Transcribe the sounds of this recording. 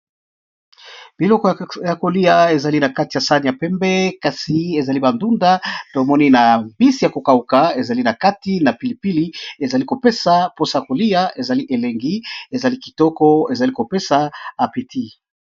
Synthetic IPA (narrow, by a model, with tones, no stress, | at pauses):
b̥i˨lɔ˦kɔ˦ja˨ko˨li˦ja˨e˨za˨li˦na˨ka˦ti˨a˨sa˦ni˨a˨pɛ˦mbɛ˦ka˨si˨e˨za˨li˦ba˨ndu˦nda˦to˨mɔ˦ni˦na˨mbi˦si˨ja˨ko˨ka˨u˨ka˨e˨za˨li˦na˨ka˦ti˦na˨pi˨li˨pi˦li˦e˨za˨li˦ko˨pe˦sa˨po˦sa˦ja˨ko˨li˦ja˦ʔe˨za˨li˦ʔe˨le˨ŋɡi˦e˨za˨li˦ki̥˨tɔ˦kɔ˦e˨za˨li˦ko˨pe˦saː˦˨pi˨ti˦